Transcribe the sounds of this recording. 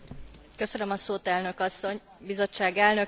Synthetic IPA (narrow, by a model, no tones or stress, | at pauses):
kø̞sønømɒsoːt̪ɛlnø̞kɒsːo̞ɲ | bizo̞t͡ʃːaːɡɛlnø̞